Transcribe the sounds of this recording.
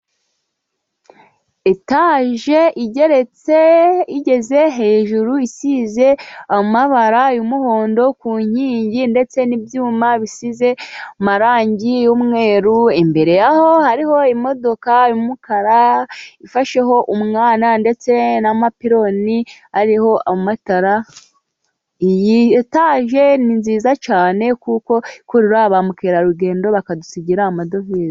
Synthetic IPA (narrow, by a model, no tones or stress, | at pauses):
etaːʒe̞ʔiɟe̞ɾe̞t͡seiɟe̞ze̞ɦe̞ːʒuɾuisize̞amaβaɾajumuho̞ːndo̞kuːɲ̥iːɲɟinde̞t͡se̞nibjuːmaβisize̞umaɾaːɲɟijuːmŋe̞ːɾuimbe̞ɾe̞jaho̞haɾiɦo̞imo̞do̞kaimukaɾaifaʃe̞ɦo̞ʔumŋaːnande̞t͡se̞namapiɾo̞nihaɾiho̞amataɾa | ijitaːʒe̞ninziːzat͡ʃaːne̞kuko̞ikuɾiɾaβamukeːɾaɾuɡe̞ːndo̞βakadusiɟiɾamado̞viːɾi